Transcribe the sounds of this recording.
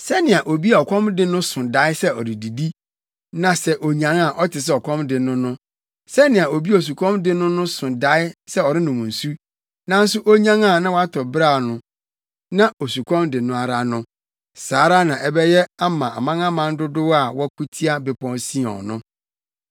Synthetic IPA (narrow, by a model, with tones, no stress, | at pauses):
sɛ˦nɪ̃˨a˨ʔo˨bi˦a˨ɔ˨kʷʰɔ̃˦mdɪ˦nʊ̃˦sʊ̃˨da˨˦ɪ˦sɛ˦ɔ˨ɾɪ˨di˨di˦ | nã˨sɛ˨ʔo˨ɲã˨ŋa˨ʔɔ˦tʰɪ˨s̬ɛ˦ɔ˨kʷʰɔ̃˦mdɪ˨nʊ̃˦nʊ̃˦ | sɛ˦nɪ̃˨a˨o˨bi˦o˨s̬u˨kʷʰɔ̃˦mdɪ˦nʊ̃˦nʊ̃˦sʊ̃˨da˨˦ɪ˦sɛ˦ɔ˨ɾɪ˦nʊ̃˨mũ˨su˦ | nã˦n̩˦sʊ˦ʔo˦ɲã˦ŋa˨nã˦wa˦tʰɔ˨bɾa˦˨nʊ̃˨ | nã˦o˨su˨kʰɔ̃˦mdɪ˨nʊ̃˨a˨ɾa˨nʊ̃˦ | saː˨˦ɾa˦nã˨ʔɛ˦bɛ˦jɛ˦a˦mã˨ʔa̰˨mã˦ŋã˦mã˨n˦dʊ˦dʊ˦wa˨wɔ˦kʰu˦tʰi˦a˦bɪ˨pʰɔ̃˦nsĩ˦ɔ̰˨nʊ̃˦